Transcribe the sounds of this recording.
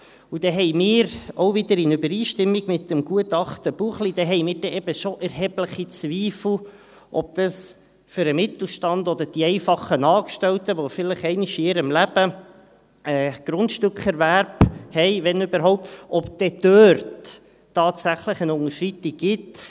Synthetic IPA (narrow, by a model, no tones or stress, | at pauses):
ud̥ɛɦɛɪmɪːɾoʊvɪd̪əɾɪnʉbəɾiːʃtɪmːiɡ̥mɪt̪əmɡ̥uətɑχt̪əb̥uχlid̥̪ɛɦɛɪmɪːɾd̥ɛʔɛbəʃoʔɛɾɦɛbləχit͡sʋiːfl̩ | ʔɔb̚d̪̥ɑs | fʏɾəmɪt̪l̩ˠʃtɑnd̪ɔd̪əɾd̥iɛɪfɑχənɑːkʃtɛltəʋofɪləχɛɪnɪʃiɪɾəmlæb̥ə | ɛːɡ̥ɾʊntʃtøkχɛɾvæɾbhɛɪʋɛnøbəɾɦɔʊp̚t̪ɔpd̪̥ɛd̥̪øːɾtː | ɑːtsæχləχənʊŋəʃrit̪ːiɡ̥ɪt